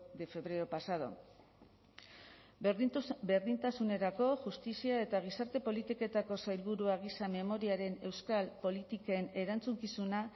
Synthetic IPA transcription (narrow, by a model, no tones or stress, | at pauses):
d̪efe̞βɾe̞opasað̞o̞̰ | ɾbe̞ɾðint̪asune̞ɾako̞ʝust̪isiae̞t̪aɣ̞isaɾt̪e̞po̞lit̪ike̞t̪ako̞sajlβuɾuaɣ̞isame̞mo̞ɾiaɾe̞ne̞wskalpo̞lit̪ikaene̞ɾant͡suŋkisuna